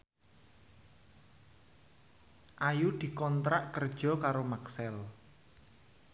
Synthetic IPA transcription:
ʔajud̪̥i̤kɔnt̪ɾaʔkərd̥ʒ̥ɔ̤kaɾomaksɛl

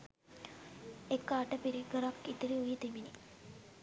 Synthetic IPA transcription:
ekːaːʈəpiɾiɡəɾakːit̪iɾiujit̪imini

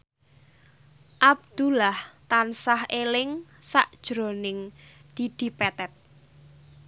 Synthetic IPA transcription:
ʔab̚d̪̥ṳlaht̪ansahelɪŋsaʔd̥ʒ̥ɾonɪŋd̪̥i̤d̪̥i̤pɛt̪ɛt̪̚

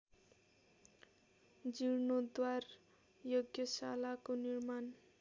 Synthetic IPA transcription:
d͡ziɾnod̪war | joɡjʌsalakonirman

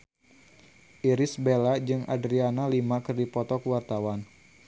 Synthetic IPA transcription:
ʔiɾisbelad͡ʒɨŋa̰dɾianalimakɨrdipɔt̪ɔkuwart̪awan

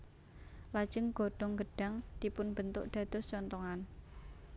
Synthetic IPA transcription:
lad̥ʒ̥əŋɡ̥o̤ɖ̥ɔŋɡəɖ̥a̤ŋd̪̥ipʊnb̥ənt̪ʊʔɖ̥ä̤d̪̥ɔ̤st͡ʃɔnt̪ɔŋan

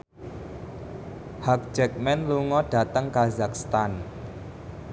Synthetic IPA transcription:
hak̚d͡ʒɛk̚mɛnluŋɔɖ̥ä̤t̪əŋkazakst̪an

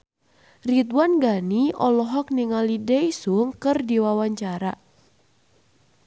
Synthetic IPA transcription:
rit̪wanɡaniɔlɔɦɔk̚niŋalidɛjsuŋkɨrdiwawaɲt͡ʃaɾa

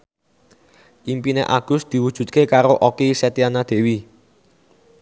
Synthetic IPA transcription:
ʔimpineʔaɡ̥ʊ̤sd̪̥i̤wu̥ʒ̥ṳt̪̚kekaɾoʔokiset̪ianad̪̥e̤wi

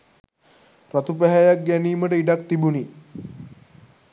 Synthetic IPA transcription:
ɾat̪upəɦajak̚ɡjaniːməɽeiɖakt̪ibuniː

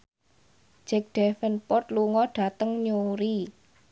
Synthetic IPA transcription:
d͡ʒ̥ɛk̚ɖ̥ɛfənpɔrt̪luŋɔɖ̥a̤t̪əŋɲuɾi

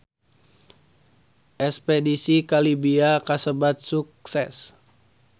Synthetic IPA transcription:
ʔɛspɛdisikalibiakasəbat̪̚suk̚sɛs

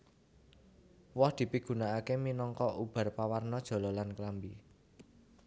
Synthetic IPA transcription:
wɔhd̪̥i̤piɡ̥ṳnaakeminɔŋkɔʔub̥a̤rpawarnɔd̥ʒ̥ɔ̤lɔlanklambi

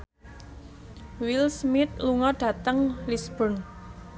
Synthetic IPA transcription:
wilsmɪt̪̚luŋɔɖ̥ä̤t̪əŋlisb̥ən

